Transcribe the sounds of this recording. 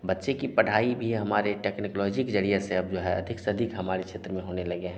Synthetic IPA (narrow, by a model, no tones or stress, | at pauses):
bɐtːʃekipɐɽ̤aːibʱiɦɐmaːɾeʈeːknɪklɔːd͡ʒɪkd͡ʒəɽijaseɐb̚d͡ʒoːɦɛɐ̰d̪ʱɪksɐd̪ʱɪkɦɐmaːɾekʃʰeːt̪ɾəmẽɦoːnelɐɡeɦɛ̃